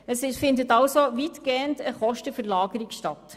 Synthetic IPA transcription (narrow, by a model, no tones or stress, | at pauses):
əsɪfɪndətɑʊsoʋitɡ̥eːəntəχɔʃtəfəɾlɑːɡəɾɪkʃtɑt